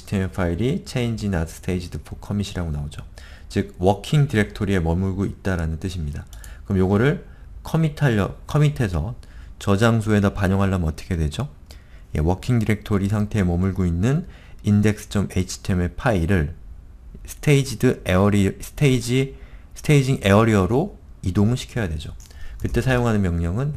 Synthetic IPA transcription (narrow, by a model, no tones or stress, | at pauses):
i̥tʰemepʰaiɾit͡ɕʰe̞ind͡ʑinatʰsʰɯ̥tʰeid͡ʑidɯpʰokʰʌmiɕʰiɾaɡonaod͡ʑot͡ɕɯɡ̚wʌkʰiŋdiɾe̞k̚tʰoɾie̞mʌmuɭɡoit̚t͈aɾanɯnt͈ɯɕʰimɲidakɯɾʌmjoɡʌɾɯɭ | kʰʌmitʰaʌkʰʌmitʰe̞sʰʌt͡ɕʌd͡ʑaŋs̬ʰoe̞dʌpaɲoŋɦaɭːamɯnʌt͈ʌ̥kʰe̞dwe̞d͡ʑo | je̞̰wʌkʰiŋdiɾe̞k̚tʰoɾisʰaŋtʰe̞emʌmuɭɡoinːɯn | inde̞k̚s͈ʰɯ̥t͡ɕʰʌmeit͡ɕʰi̥tʰe̞me̞pʰaiɾɯɭ | sʰɯ̥tʰeid͡ʑidɯeʌɾisʰɯ̥tʰeid͡ʑisʰɯ̥tʰeid͡ʑiŋʔe̞ʌɾiʌɾoidoŋɯɭɕʰi̥kʰjʌjadwe̞d͡ʑokɯt͈e̞sʰajoŋɦanɯnmjʌŋɲʌŋɯn